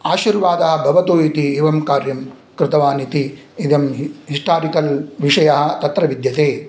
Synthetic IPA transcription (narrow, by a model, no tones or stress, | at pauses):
aːʃiɾʋaːd̪ɐɦɐ̆bʱɐʋɐt̪oːit̪ieːʋɐmkaːɾjɐm | kɾɪt̪ɐʋaːnit̪i | id̪ɐmɦisʈʰaːɾikɐlʋiʂɐjɐɦɐ̆t̪ɐt̪ɾɐʋid̪jɐt̪eː